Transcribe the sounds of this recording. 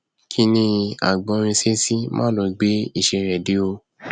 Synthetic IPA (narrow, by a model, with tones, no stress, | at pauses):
kʰi˧˦nĩ˧a̰˨ɡ͡bɔ̃˧ɾ̃ĩ˧se˦si˦mã̰ː˦lo˧˨ɡ͡be˨˦i˦˨ʃe˧ɾɛ˨di˨˦o˧